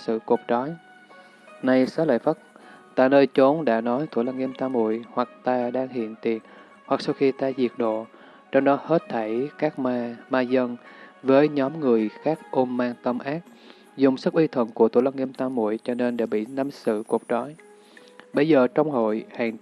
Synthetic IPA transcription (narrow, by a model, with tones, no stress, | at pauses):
sɨ̰˧˨ku˨˩k̚t͡ɕɔ˨˦j | na˧jsaː˨˦lə̰˧˨jfə˦˥t̚t̪a̰ː˧˨jnəː˧jt͡ɕo˨˦nɗa̰ː˧˥nɔ˨˦jt̪ṵ˧˩la˧wŋi˧mt̪aː˧mṵ˧˨əjhwa˨˩k̚t̪aː˧ɗaː˧ŋɦḭ˧˨ənt̪i˨˩ən | hwa˨˩k̚sa˧wxi˧t̪aː˧zi˨˩ək̚ɗo̰˧˨ | t͡ɕɔ˧wŋ͡mɗɔ˨˦he˦˥t̚t̪ʰə˧˩jkaː˦˥k̚m˧maː˧zə˧nvəː˨˦jɲɔ˨˦mŋɨ˨˩əjxaː˦˥k̚ʔo˧mːaː˧ŋt̪ə˧mʔaː˦˥k̚ | zʊ˨˩ŋ͡msə˦˥k̚ʔi˧t̪ʰwə̰˧˩nku˧˩ət̪ʰṵ˧˩˦la˧wŋi˧əmt̪aː˧mṵ˧˨əjt͡ɕɔ˧ne˧nɗa̰ː˧˥ɓḭ˧˨na˨˦msɨ̰˧˨ku˨˩ək̚t͡ɕɔ˨˦j | ɓə˧jzəː˨˩t͡ɕɔ˧wŋ͡mho̰˧˨jhaː˨˩ŋ